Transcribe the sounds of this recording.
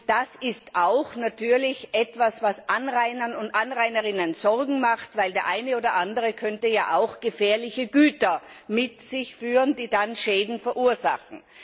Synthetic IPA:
d̥asɪstaʊxnatyːɐlɪçʔɛtv̥asv̥asʔanʁaɪnɐnʊntʔanʁaɪnəʁɪnənzɔʁɡŋ̩maχtvaɪldeːɐʔaɪnəoːdɐʔandəʁəkʰœntəjaːʔaʊxɡ̥əfɛːɐlɪçəɡyːtɐmɪtz̥ɪçfyːʁəndiːdanʃɛːdn̩fɛɐʔuːɐza̰χn̩

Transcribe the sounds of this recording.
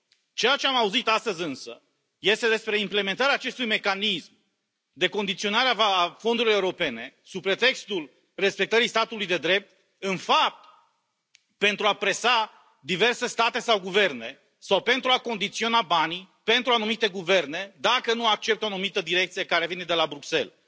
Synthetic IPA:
t͡ʃejat͡ʃe̞amauzit̪ast̪əzʲɨnsə̰ | je̞st̪e̞d̪espɾe̞imple̞me̞nt̪aɾeaːt͡ʃe̞st̪ujme̞kanism | d̪e̞ko̞nd̪it̪sio̞naɾeavafond̪uɾiloeuɾo̞pe̞ne̞supɾe̞t̪e̞kst̪ul | re̞spe̞k̚t̪əɾist̪at̪ulujd̪e̞d̪ɾe̞p̚t̪̚ | ɨnfap̚t̪ | pe̞nt̪ɾuapɾe̞sa | d̪ive̞rse̞st̪at̪e̞sawɡuve̞rne̞ | sawpe̞nt̪ɾuako̞nd̪it̪sio̞nabani | pe̞nt̪ɾuanumit̪e̞ɡuve̞rne̞d̪akənuak̚t͡ʃe̞p̚t̪oanumit̪əd̪iɾe̞k̚t̪sijekaɾe̞vine̞d̪e̞labɾukse̞̰l

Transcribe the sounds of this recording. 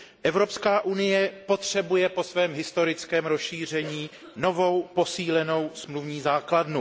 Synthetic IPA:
ʔɛvɾo̞pskaːʔunɪjɛpo̞t̪r̝̥ɛbujɛpo̞svɛːmɦɪst̪o̞ɾɪt͡skɛːmɾosʃiːr̝ɛɲiː | no̞vo̞wpo̞siːlɛno̞wsmluvɲiːzaːkladnu

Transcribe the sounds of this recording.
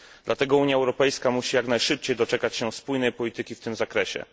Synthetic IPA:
d̪lat̪ɛɡɔuɲjaɛwɾɔpɛjskamuɕijaknajʂɘp̚t͡ɕejd̪ɔt͡ʂɛkat͡ɕɕɛspujnɛjpɔlʲit̪ɘkʲift̪ɘmzakɾɛɕɛ̰

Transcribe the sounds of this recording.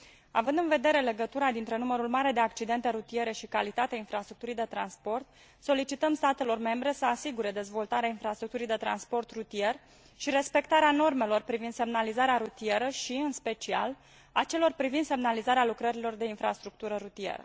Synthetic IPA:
avɨnd̪ɨnve̞d̪e̞ɾe̞le̞ɡət̪uɾad̪int̪ɾe̞numəɾulmaɾe̞d̪e̞akt͡ʃid̪e̞nt̪e̞ɾut̪ie̞ɾe̞ʃikalit̪at̪eainfɾast̪ɾuk̚t̪uɾijd̪e̞t̪ɾa̰nspo̞rt̪̚ | so̞lit͡ʃit̪əmst̪at̪e̞lo̞rme̞mbɾe̞səasiɡuɾe̞d̪e̞zvo̞lt̪aɾeainfɾast̪ɾuk̚t̪uɾijd̪e̞t̪ɾa̰nspo̞rt̪rut̪ie̞r | ʃiɾe̞spe̞kt̪aɾeano̞rme̞lo̞rpɾivind̪se̞mnalizaɾeaɾut̪ie̞ɾəʃiɨnspe̞t͡ʃia̰l | at͡ʃe̞lo̞rpɾivind̪se̞mnalizaɾealukɾəɾilo̞rd̪e̞infɾast̪ɾuk̚t̪uɾəɾut̪iḛɾə̰

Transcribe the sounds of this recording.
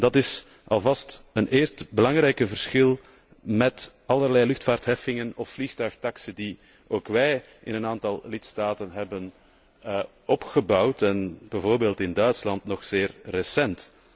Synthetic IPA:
dɑtɪsɑlˠvɑstənʔeːrstbəlɑŋɾɛjkəvərsxɪlˠ | mɛtɑlˠərlɛjlʏxtfaːrtɦɛfɪŋənɔfflixtœɥxtɑksədi | oːkʋɛjʔɪnənaːntɑlˠlɪtstaːtənɦɛbən | ɔpxəbɑwtɛnb̥ɛvoːrbeːlˠtɪndœɥtslɑntnɔxseːrːəsɛnt

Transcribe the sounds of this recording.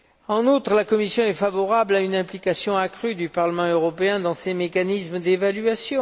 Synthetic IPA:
ɑ̃nut̪χəlakɔmisjɔ̃ɛfavɔʁablaynɛ̃plikasjɔ̃akχyd̪ypaʁləmɑ̃øʁɔpeɛ̃d̪ɑ̃semekanismd̪evalɥasjɔ̃

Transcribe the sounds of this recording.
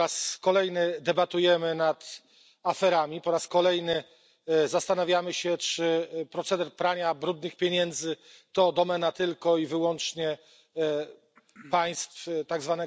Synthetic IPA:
askɔlɛjnɘd̪ɛbat̪ujɛmɘnat̪ | afɛɾamʲipɔɾaskɔlɛjnɘ | zast̪anavʲjamɘɕɛt͡ʂɘpɾɔt̪sɛd̪ɛɾpɾaɲabɾud̪nɘxpʲjeɲɛnd̪zɘt̪ɔd̪ɔmɛnat̪ɘlkɔivɘwɔnt͡ʂɲɛ | paj̃st̪ft̪aɡzvanɛ

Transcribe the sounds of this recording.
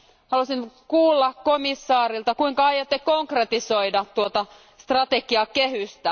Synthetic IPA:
hɑlusiŋkuːlːɑkkomisːɑːrilt̪ɑkuiŋkɑɑjot̪ːekoŋkret̪isoidɑtt̪uot̪ɑ | st̪rɑt̪ekiɑkehyst̪æ

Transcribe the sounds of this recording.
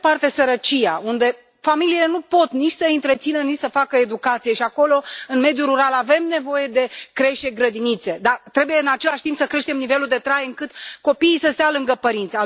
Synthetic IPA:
part̪e̞səɾət͡ʃija̰und̪e̞ | familiːle̞nupo̞t̪nit͡ʃʲsəint̪ɾe̞t̪sinənit͡ʃʲsəfakəed̪ukat̪sije̞ʃiako̞lo̞ɨnme̞d̪juɾuɾalave̞mne̞vo̞je̞d̪e̞kɾe̞ʃt̪eɡɾəd̪init̪se̞d̪at̪ɾe̞bujeɨnat͡ʃe̞laʃt̪impsəkɾe̞ʃt̪e̞mnive̞luld̪et̪ɾajɨŋkɨt̪ko̞piːsəst̪jalɨŋɡəpəɾint̪sʲa

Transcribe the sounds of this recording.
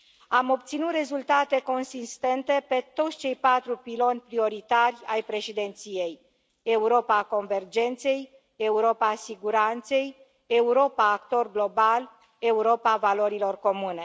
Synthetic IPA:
amo̞pt̪sinut̪re̞zult̪at̪e̞ko̞nsist̪e̞nt̪e̞pe̞t̪o̞t̪sʲt͡ʃe̞jpat̪ɾupilo̞nʲpɾio̞ɾit̪arʲajpɾe̞ʃid̪e̞nt̪sije̞j | e̞uɾo̞pako̞nve̞rd͡ʒe̞nt̪se̞j | e̞uɾo̞pasiɡuɾant̪se̞j | e̞uɾo̞paːkt̪o̞rɡlo̞bal | e̞uɾo̞pavalo̞ɾilo̞rko̞mune̞

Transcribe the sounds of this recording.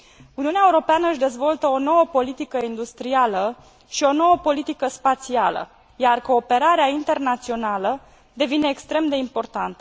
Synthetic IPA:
uniuneaeuɾo̞peanəɨʃʲd̪e̞zvo̞lt̪əo̞no̞wəpo̞lit̪ikəind̪ust̪ɾialə | ʃio̞no̞wəpo̞lit̪ikəspat̪sialə̰ | jarko̞ːpe̞ɾaɾeaint̪e̞rnat̪sio̞nalə | d̪e̞vine̞ːkst̪ɾe̞md̪e̞impo̞rt̪ant̪ə

